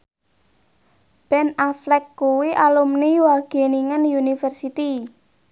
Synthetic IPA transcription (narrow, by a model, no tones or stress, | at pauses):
b̥ɛnaflɛkːuwiʔalumniwaɡ̥e̤niŋənjunifərsit̪i